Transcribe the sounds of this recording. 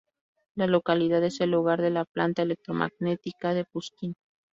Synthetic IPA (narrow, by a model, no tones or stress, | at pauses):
lalo̞kaliðaðe̞se̞lːuɣaɾðe̞laplant̪aele̞k̚t̪ɾomʔa̰ɣne̞t̪ikaðe̞puskin